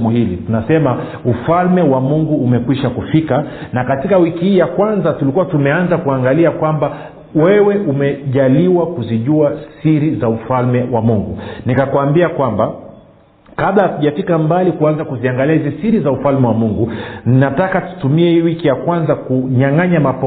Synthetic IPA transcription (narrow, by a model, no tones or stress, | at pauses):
muhilḭtunasɛma | ufalmɛwamuŋɡuːmɛkwiʃakufikanakatikawikihiːjakwanzatulikuwatumɛanzakuaŋɡaliakwamba | wɛwɛʔumɛʄaliwakuziʄuasiɾizaufalmɛwamuŋɡunikakwambiakwamba | kaɓaatuʄafikambalikuanzakuziaŋɡaliahizisiɾizaufalmɛwamuŋɡuninatakatu̥tumiɛhiwikijakwanzakuɲaŋaɲamap